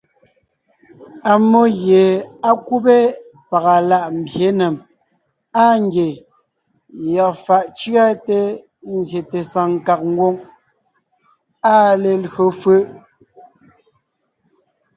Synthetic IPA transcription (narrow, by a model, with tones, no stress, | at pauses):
a˨mːo˦ɣje˨a˦ku˦be˦ | pa˨ɣa˨la˦ʔm̩˨bje˨˦nɛ˨m | a˦˨ŋ̩˦ɡje˨ | jɔ˨fa˨ʔt͡ʃɰa˦te˦ | n̩˦zje˨te˨sa˨ŋ˨ka˨k̚ŋ̩˦ɡwo˦ŋ | a˦le˨lɰo˨fə˦ʔ